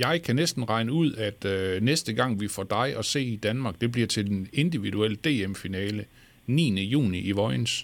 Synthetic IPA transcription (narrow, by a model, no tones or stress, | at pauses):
jɑ̈ɪkʰænesd̥n̩ʁɑ̈ɪnəuð̞̰ˠæd̥nesd̥əɡ̥ɑ̈ŋ̰ʋifɒd̥ɑ̈ɪʔɒ̽se̝̰ːid̥ænmɑ̈ːɡ̥̚d̥e̝b̥liɐt͡sʰe̝ld̥ene̝nd̥iʋiduel̰d̥e̝̰ːemfinɛːlə | nḭːnəjṵːniʔiʋɒ̽ɪns